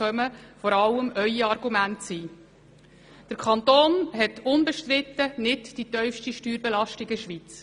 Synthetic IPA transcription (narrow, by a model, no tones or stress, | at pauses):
œməfɔɾɑləmœʏiɑrɡumæntsiː | d̥əɾkʰɑnt̪oːnɦɛtʊnbɛʃtɾɪt̪ːənɪtd̥itœʏfʃtiʃtyːɾbɛlɑʃtiɡəʃʋiːt͡s